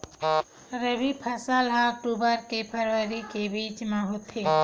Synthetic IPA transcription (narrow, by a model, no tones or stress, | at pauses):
ɾebipʰɐsəlɦãk̚ʈubəɾkepʰəɾʋəɾikebiːt͡ʃmãɦot̪ʰe